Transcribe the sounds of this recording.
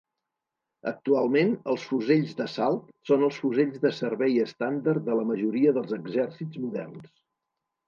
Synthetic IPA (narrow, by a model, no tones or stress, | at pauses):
ək̚t̪ualˠmenəlˠsfuzeʎzðəsalˠt̪sonəlˠsfuzeʎzðəsəɾβɛjəst̪and̪ərd̪ələməʒuɾiəðəlˠzəɡzɛrsidzmuðɛ̰rns